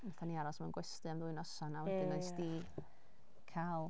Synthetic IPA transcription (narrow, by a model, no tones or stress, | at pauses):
maθaniaɾɔsmanɡwɛstɨamðʊːɨnɔsanawɛdɪnɔɨsdi | kʰalˠ